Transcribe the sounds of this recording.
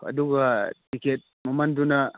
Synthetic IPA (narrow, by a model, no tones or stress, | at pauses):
ka̰duɡatikɛt̪̚momanduna